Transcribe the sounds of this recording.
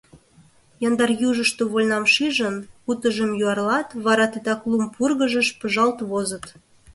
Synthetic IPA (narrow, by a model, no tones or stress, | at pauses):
jɑnd̪ɑrjuʒəʃt̪oβolʲnɑmʃiʒənkut̪əʒəmjuɑrlɑt̪βɑɾɑt̪ed̪ɑklumpurɣəʒəʃpəʒɑlt̪βozə̆t̪